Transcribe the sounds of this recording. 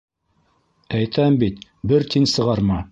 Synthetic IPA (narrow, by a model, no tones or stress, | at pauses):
æjt̪ʰæmbit̪ | bɘɾt̪ʰinsɤ̆ʁɑɾmɑ